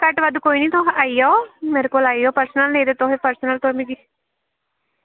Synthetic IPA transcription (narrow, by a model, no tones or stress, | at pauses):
kəʈʋad̪ukoːiniːt̪õɦaːijoːmeːɾekoːlaːijoːpəɾsnəlnẽːd̪et̪oɦepəɾsənəlt̪omĩɡi